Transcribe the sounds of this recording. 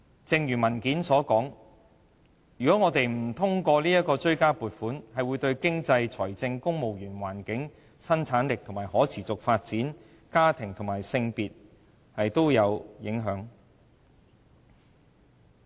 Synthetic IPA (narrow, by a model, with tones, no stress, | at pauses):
t͡sɪ˧ŋjyː˨˩mɐ˨˩nkiː˨˥nsɔː˨˥kɔː˨˥ŋ | jɥyː˨kɔː˨˥ŋɔː˨˧t̪e˨jm̩˨˩t̪ʰʊ˥ŋkʷɔː˧liː˥jɐ˥t̚kɔː˧t͡ʃɵ˥ɥkaː˥puː˨t̚fuː˨˥nhɐ˨jwuː˨˧jt̪ɵ˧ɥkɪ˥ŋt͡sɐ˧jt͡sʰɔː˨˩jt͡sɪ˧ŋkʊ˥ŋmo˨wjyː˨˩nwaː˨˩nkɪ˨˥ŋ | sɐ˥nt͡sʰaː˨˥nlɪ˨k̚t̪ʰʊ˨˩ŋmaː˨˩jhɔː˨˥t͡sʰiː˨˩t͡sʊ˨k̚faː˧t̚t͡siː˨˥n | kaː˥t̪ʰɪ˨˩ŋt̪ʰʊ˨˩ŋmaː˨˩jsɪ˧ŋpiː˨t̚ | hɐ˨jt̪o˥wjɐ˨˧wjɪ˨˥ŋɦœː˨˥ŋ